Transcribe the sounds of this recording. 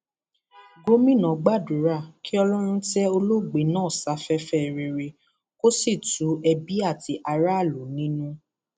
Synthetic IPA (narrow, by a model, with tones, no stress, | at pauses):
ɡo˦mĩ˦˨nã˨ɡ͡ba˦˨du˨˦ɾa˦˨ki˦ɔ˧lɔ˦ɾ̃ũ˧tɛ˦o˧lo˦ɡ͡be˨˦nãː˦˨sa˨˧fɛ˧fɛ˦˨ɾe˨ɾe˧ | ko˦si˦˨tu˨˦ɛ˧bi˦a˦˨ti˨˧ʔa˧ɾa˦a˦˨lo˨˦nĩ˦nũ˦